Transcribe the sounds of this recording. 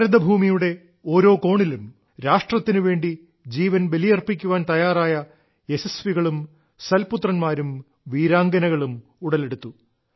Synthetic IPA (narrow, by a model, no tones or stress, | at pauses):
ɾɐd̪ɐbʱuːmijuɽe̞ | o̞ːɾo̞ːko̞ːɳilum | ɾaːʂʈrɐt̪ːinɨʋe̞ːɳɖi | d͡ʑiːʋɐnbe̞lijɐrpikʲːuʋaːnt̪ɐjaːraːjɐ | e̞sesʋiɣɐɭum | sɐlput̪rɐnmaːɾum | ʋiːɾaːŋɡɐnɐɣɐɭumuɽɐle̞ɽut̪ːu